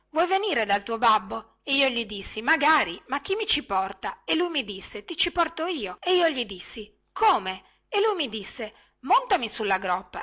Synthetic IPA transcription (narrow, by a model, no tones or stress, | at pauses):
vwɔjveniːɾed̪alt̪uːobabːo | eiːoʎid̪isːimaɡaːɾimak̟ːimːit͡ʃipɔrt̪aelːujmid̪isːet̪it͡ʃipɔrt̪oiːoeiːoʎid̪isːi | kʰoːme | elːujmid̪isːe | mont̪amisulːaɡɾɔpːa̰